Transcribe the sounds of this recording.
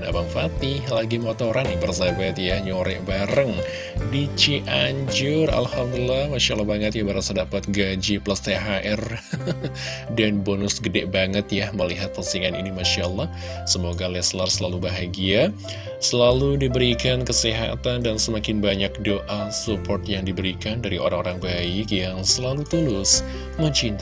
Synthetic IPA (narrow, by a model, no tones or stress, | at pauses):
na̰baŋfat̪ɪlaɡimot̪oɾanabərzabat̪jaɲoɾɛ̰ʔbaɾəŋ | dit͡ʃiʔaɲd͡ʒʊra̰lhamd̪ulilahmaʃaʔlɑhbaŋət̪jabəɾasadapat̪̚ɡad͡ʒiplast̪eɦaʔɛr | danbonʊsɡədɛʔbaŋət̪jahməliɦat̪̚pənsiŋanḭnimaʃalːɑh | səmoɡalɛslarsəlalubaɦaɡia | səlaludibəɾikankəsiɦa̰t̪andansəmakɪnbaɲak̚doʔasupɔrt̪jaŋdibəɾikandaɾio̰ɾaŋoɾaŋbaɪkjaŋsəlalut̪ulʊs | məɲt͡ʃint̪a